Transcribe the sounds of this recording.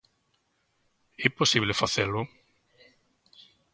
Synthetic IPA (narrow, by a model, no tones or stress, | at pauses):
ɛposiβlefaθelʊ